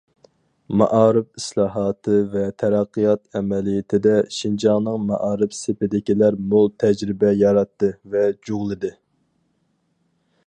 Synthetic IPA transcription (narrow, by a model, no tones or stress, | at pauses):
mɑ̰ʔɑːɾɨpislˠɑːɦɑːt̪ʰɨvɛt̪ʰɛɾɑqʰːijɑt̪ɛmɛlijɪt̪ʰɪd̪ɛʃind͡ʒɑʁnɨŋmɑʔɑːɾɨpsepɪd̪ɪkʲilæɾmolˠt̪ʰɛd͡ʒɾɪbɛjɑɾɑt̪ːɨvɛd͡ʒoʁlˠɨd̪ɨ